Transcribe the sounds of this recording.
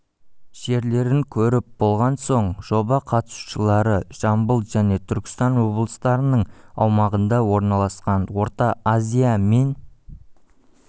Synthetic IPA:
ʒ̥e̞ɾle̞ɾɪŋkʲʰɵɾɪp̚bo̞lˠʁɑnso̞ɴʒ̥o̞bɑqʰɑt̪ə̥su̥ʃəlˠɑɾəʒ̥ɑmbəlˠʒ̥æne̞t̪ʰʏɾkʲɪ̥st̪ɑnwo̞blˠəst̪ɑɾənəɴɑ̰wmɑʁənd̪ɑwo̞ɾnɑlˠɑsqɑnwo̞ɾt̪ɑazʲijame̞n

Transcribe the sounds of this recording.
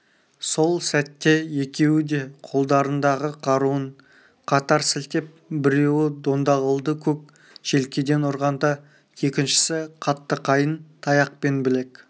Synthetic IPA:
so̞lˠsæt̪ːe̞je̞kʲe̞wɪd̪e̞qʰo̞lˠd̪ɑɾənd̪ɑʁəqʰɑɾuəɴ | qʰɑt̪ɑɾsɪlt̪e̞p̚bɪɾe̞wɪd̪o̞nd̪ɑʁəlˠd̪əkʲʰɵk | ʒ̥e̞lkʲed̪e̞nʊɾʁɑnd̪ɑ | je̞kʲɪnʃɪ̥sɪqʰɑt̪ːəqʰɑjənt̪ʰɑjɑq̚pe̞nbɪle̞k

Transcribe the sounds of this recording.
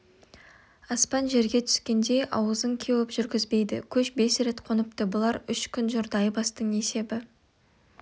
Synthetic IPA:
ɑspɑnʒe̞ɾɡʲe̞t̪ʰʏ̥skʲe̞nd̪e̞jʔɑ̰wəzəŋkʲʰewɪpʒʏɾɡʲɪzbe̞jd̪ɪ̰kʲʰɵʃbe̞sɾe̞t̪qʰonəp̚t̪əbʊlˠɑɾʏʃkʲʰʏnʒʊɾd̪ɑjbɑst̪əɴe̞se̞bɪ

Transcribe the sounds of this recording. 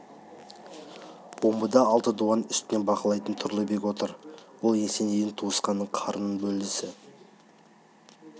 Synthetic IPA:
bo̞mbəd̪ɑɑlˠt̪əd̪uɑnʏst̪ɪne̞nbɑqəlˠɑjt̪ənt̪ʰʊɾlˠəbe̞kʲwo̞t̪əɾwolˠje̞se̞nejɪnt̪ʰuəsqɑnːəɴqʰɑɾənənbɵld̪ɪsɪ

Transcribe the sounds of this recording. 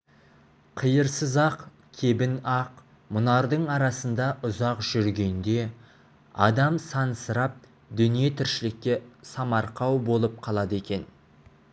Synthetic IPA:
qʰəjəɾsəzɑq | kʲʰe̞bɪnɑq | mʊnɑɾd̪əɴɑɾɑsənd̪ɑʔʊzɑqʒ̥ʏɾɡʲe̞nd̪e̞ | ɑ̰d̪ɑmsɑnsəɾɑp̚ | d̪ʏnije̞t̪ʰɪɾʃɪlɪkʲːe̞sɑmɑɾqʰɑwbo̞lˠəp̚qʰɑlˠɑd̪əe̞kʲe̞n

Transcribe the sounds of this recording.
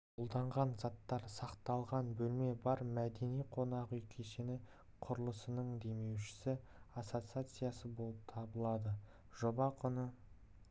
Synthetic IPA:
ʊlˠd̪ɑɴʁɑnzɑt̪ːɑɾsɑqt̪ɑlˠʁɑnbɵlme̞bɑɾmæd̪e̞nijqʰo̞nɑʁʏjkʲʰeʃenɪ | qʰʊɾəlˠəsənəɴd̪e̞me̞wʃɪ̥sɪ | atsot̪sɨat̪sɨjasəbo̞lˠəp̚t̪ʰɑbəlˠɑd̪ə | ʒobɑqʰʊnə

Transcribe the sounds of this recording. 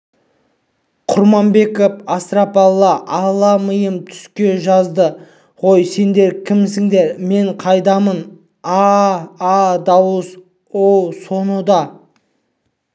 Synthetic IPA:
qʰʊɾmɑmbe̞kopɑst̪ɾapɑlˠːɑʔɑlˠːɑməjəmt̪ʰʏ̥skʲe̞ʒɑzd̪ə | ʁo̞jse̞nd̪e̞ɾkʲʰɪmsɪŋd̪e̞ɾme̞ɴqʰɑjd̪ɑmən | ɑː | d̪ɑwəs | owso̞nəd̪ɑ

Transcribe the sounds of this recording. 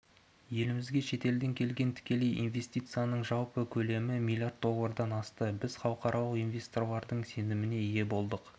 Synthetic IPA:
je̞lɪmɪzɡʲe̞ʃe̞t̪e̞ld̪e̞ŋkʲʰe̞lɡʲe̞nt̪ʰɪ̥kʲe̞le̞jʔḭnve̞st̪ijt̪sɨjanəɴʒɑwpəkʲʰɵle̞mɪmilʲijard̪̚d̪o̞lˠːəɾd̪ɑnɑst̪əbɪz̥χɑwəqɑɾʔɑlˠəqijnvʲe̞st̪o̞rlˠɑɾd̪əɴse̞nɪmɪne̞ije̞bo̞lˠd̪əq

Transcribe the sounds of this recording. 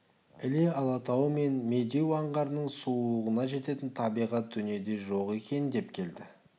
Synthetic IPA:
ɪleɑlˠɑt̪ɑwəme̞nme̞d̪ewɑɴʁɑɾnəɴsuəʁənɑʒe̞t̪e̞t̪ɪnt̪ʰɑbijʁɑt̪̚d̪ʏne̞d̪e̞ʒo̞qe̞kʲe̞nɪnd̪e̞pkʲʰe̞ld̪ɪ

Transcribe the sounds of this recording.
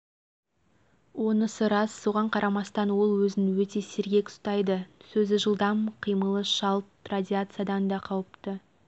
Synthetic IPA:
wo̞nəsəɾɑsːoʁɑɴqʰɑɾʔɑmɑst̪ɑnwo̞lˠwɵzɪnwɵt̪e̞sɪɾɡʲe̞kst̪ɑjd̪əsɵzɪʒəlˠd̪ɑmqʰijməlˠəʃɑlˠt̪radʲiat̪sɨjad̪ɑnd̪ɑqʰɑwəpt̪ə

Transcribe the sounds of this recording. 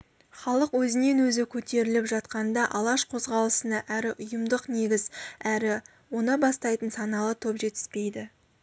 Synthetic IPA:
χɑlˠəqwɵzɪne̞nwɵzɪkʲʰɵt̪e̞ɾɪlɪpʒɑt̪qɑnd̪ɑʔɑlˠɑʃqʰo̞zʁɑlˠəsənɑʔæɾɪʔʊjəmd̪əqne̞ɡʲɪzæɾɪ | wo̞nɑbɑst̪ɑjt̪ənsɑnɑlˠət̪ʰopʒe̞t̪ɪ̥zpe̞jd̪ɪ

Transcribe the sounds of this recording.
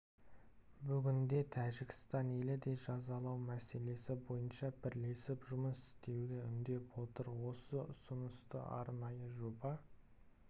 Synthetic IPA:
bʏɡʲɪnd̪e̞t̪ʰæʒɪkʲɪ̥st̪ɑne̞lɪd̪e̞ʒɑzɑlˠɑwmæse̞le̞sɪbo̞jənʃɑbɪɾle̞sɪpʒʊməsɪ̥st̪e̞wɡʲeʏnd̪e̞pwo̞t̪əɾwo̞səʊsʊnəst̪ə̰ɑ̰ɾnɑjəʒobɑ

